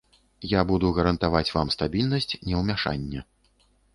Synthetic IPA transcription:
jabud̪uɣɐɾɐnt̪avat͡sʲvamst̪abʲilʲnɐsʲt͡sʲnʲɛwmʲaʂa̰nʲːɛ

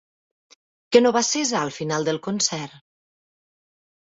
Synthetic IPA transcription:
kənoβasezaəlˠfinalˠd̪əlˠkonsɛɾ

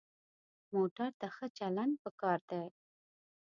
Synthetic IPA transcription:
moʈaɾt̪axət͡ʃalaɳɖ̚pəkɑɾd̪a

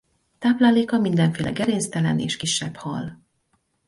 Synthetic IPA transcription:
t̪aːplaːleːkɒmind̪ɛɱfeːlʔɛ̰ɡɛɾeːnst̪ɛlɛnḛːʃkiʃːɛbhɒl

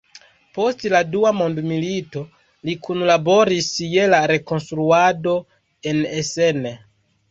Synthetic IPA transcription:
po̞stladuamo̞ndmilito̞ | likunlabo̞ɾisje̞laɾe̞ko̞nstɾuado̞ | e̞nesene

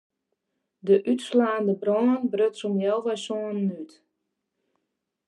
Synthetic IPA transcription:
dəʔytslaːndəbroːnənbrøtsumjɔlˠʋɛjsoənːyt

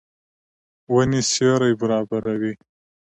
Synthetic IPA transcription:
wənisjoɾajbaɾɑbaɾawi

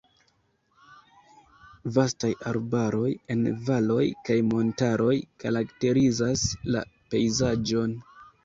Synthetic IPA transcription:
vastajaɾbaɾo̞je̞nvalo̞jkajmo̞ntaɾo̞jkaɾakte̞ɾizasla̰pe̞jzad͡ʒo̞n

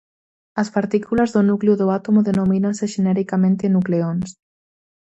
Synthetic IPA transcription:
ɐspaɾt̪ikulazðʊnukleʊðʊat̪omoðenominãnseʃenɛɾikamẽnt̪enukleons

